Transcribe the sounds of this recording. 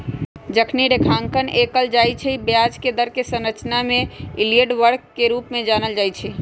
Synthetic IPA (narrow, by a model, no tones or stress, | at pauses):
d͡ʒəkʰniɖekʰaːŋkəneːkəld͡ʒaːjt͡ʃʰɛibjad͡ʒked̪əɾkesə̃nɾət͡ʃnamẽilieɖʋəɾkːeɾuːpmẽd͡ʒaːnəld͡ʒaːit͡ʃʰɛ